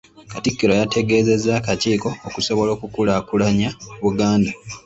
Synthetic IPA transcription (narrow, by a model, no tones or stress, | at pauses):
katikːiɾo̞jatʰe̞ɡe̞ːze̞zːaːkaciːko̞ːkuso̞βo̞lo̞ːkukulakulaɲaβuɡaːnda